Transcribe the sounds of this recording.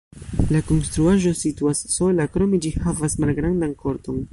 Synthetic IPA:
lako̞nst̪ɾuaʒo̞situasːo̞lakɾo̞me̞d͡ʒihavasmalɡɾandankʰo̞ɾto̞n

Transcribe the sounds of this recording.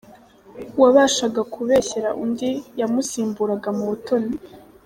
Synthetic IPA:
waβaːʃaɡakʰuβeçe̞ɾaʔundijamusiːmbuɾaɡamuβuto̞ni

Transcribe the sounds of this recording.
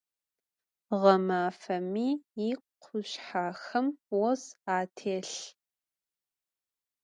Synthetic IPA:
ʁɐmaːfɐmiːiːqʷʰʊɕħaːxɐmwɔzaːtʰeːɬ

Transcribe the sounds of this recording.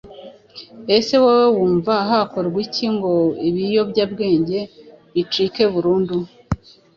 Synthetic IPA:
e̞se̞wawewuːɱvaɦako̞ɾɡwiciŋɡo̞iβijo̞bɟaːbɡe̞ːɲɟe̞ | it͡ʃike̞βuɾuːndu

